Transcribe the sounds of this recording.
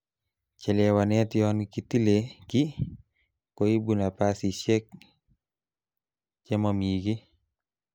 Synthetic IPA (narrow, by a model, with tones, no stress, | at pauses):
t͡ʃɛ˨lɛwanɛ˦tjɔnki˨t̪i˦le˨ki˦ | koi˦buna˨pasi˨ʃe˦k̚ | t͡ʃɛ˦mɔmiːɡi˦